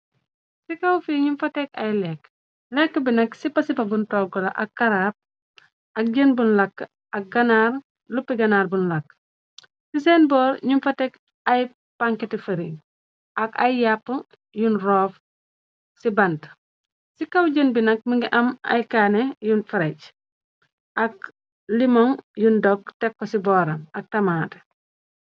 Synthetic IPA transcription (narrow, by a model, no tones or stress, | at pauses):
sikɐwfiːɲumfɐtɛkɐjlɛkː | lɛkːəbinɐksipɐsipɐbuntɔːɡɔlɐʔɐkːɐɾaːp̚ | ʔɐk̚ɟənbunlɐkː | ɐk̚ɡɐnaːr | lupːiɡɐnaːɾbunlɐkː | sis̬ɛːnbɔːɾɲumfɐtɛk | ɐj | paŋketifɐɾiŋ | ʔɐkɐjjapːuŋ | junrɔːf | sibɐnt | sikɐwɟənbinɐk̚miŋɡiʔɐmɐ̰jkaːnejunfɐɾɛc | ʔɐk̚ | limɔŋjundɔk̚tɛkːɔsibɔːɾɐmɐk̚tɐmaːt